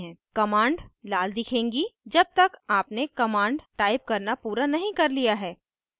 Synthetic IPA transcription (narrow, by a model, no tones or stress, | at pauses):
ɦɛ̃ːkɐmãːɳɖlaːld̪ɪkʰẽːŋɡid͡ʒɐb̚t̪ɐkaːpnekɐmãːɳɖʈaːɪp̚kɐɾnapuːɾanɐɦĩkɐɾlijaɦɛː